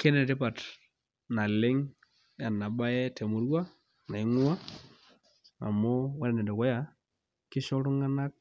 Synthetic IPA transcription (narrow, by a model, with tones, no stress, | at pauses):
ke˦nɛ˨tɪ˦pa˨t | na˨lɪ˦ŋ | ja˨na˨ba˦jɛ˦tʰɛ˨mʊ˨ɾwa˦ | na˨ɪ˦ŋʊ˦wa˦ | a̰˨mo˦wa˦ɾɛ˨nɛ˨dɔ˨kɔ˦ja˨ | kɪ˦ʃɔ˦ɾʊ˦ŋa˦na˦k̚